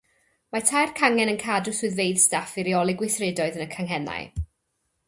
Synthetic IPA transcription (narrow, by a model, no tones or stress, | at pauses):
matʰajrkʰaŋɛnənkʰadʊsʊɨðvejðstafiɾiɔlˠɪɡwɪθrɪdɔɨðənəkʰaŋɦɛna̰j